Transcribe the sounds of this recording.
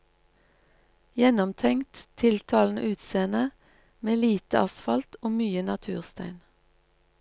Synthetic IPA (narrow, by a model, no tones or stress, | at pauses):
jɛnɔmt̪ʰɛŋt̪t̪ʰɪlt̪ʰɑːln̩ə̰ʔʉːt̪seːnə | meːliːt̪əɑsfɑlt̪ʰoːmyːənɑt̪ʰʉːʁst̪æɪn